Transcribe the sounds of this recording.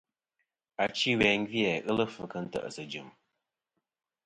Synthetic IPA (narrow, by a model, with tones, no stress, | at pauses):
a˨t͡ʃi˦wɛ˨ŋvi˦ɛ˨ʔɨ˦lə˦fɨ˨kə˦n̩˦tə̰˨ʔə˨sə˨d͡ʒɨ˨m